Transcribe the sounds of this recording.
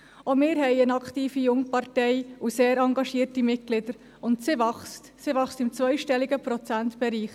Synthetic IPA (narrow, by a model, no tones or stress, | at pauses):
omɪːɾɦɛɪənɑktiːfijʊŋpɑɾtɛɪuseːɾɑŋɡɑʃiəɾtimɪtɡ̥lɪdəɾ | ʊntsɪʋɑχstsɪʋɑχstɪmt͡sʋœʏʃtɛliɡəpɾɔt͡sæntb̥ɛɾiːχ